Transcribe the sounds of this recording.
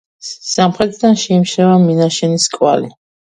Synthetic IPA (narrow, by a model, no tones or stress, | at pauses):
samχɾɛt̪ʰʼd̪anʃɛimʃɛvaminaʃɛniskʼwa̰li